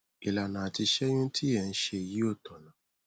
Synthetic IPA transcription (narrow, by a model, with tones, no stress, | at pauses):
i˨la˨nãː˨a˨ti˧ʃɛ˦j̃ũ˦ti˦ɛ˦˨n̩˦ʃe˧˨ji˦o˦˨tɔ˨nã˨˦